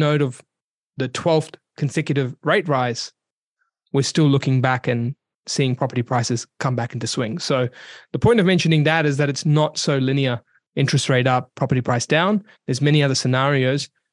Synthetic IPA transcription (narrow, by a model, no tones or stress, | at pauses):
noʊɾʌv | ðɨtʰw̥ɛlˠfkʰn̩sɛkjɨɾɨvɹeɪt̚ɹaɪz̥ | wə˞stɪlˠʊkɪ̃ŋbækɨ̃n | siɪ̃ŋpʰɹ̥ɑpə˞ɾipʰɹ̥aɪsɨz̥kʰʌ̃mbækɪ̃ntɨswɪ̰̃ŋsoʊðəpʰɔ̃ɪ̃ntʌvmɛ̃nʃɨ̃nɪ̃ŋðɨɾɨzðɨɾɨtsnətsoʊlɪniə˞ | ɪ̃nt͡ʃɹ̥ɨstɹeɪɾʌp̚pʰɹ̥ɑpə˞ɾipʰɹ̥aɪsd̥ãʊ̃n | ðə˞zmɛñiʌðə˞sɨnæɹioʊz̥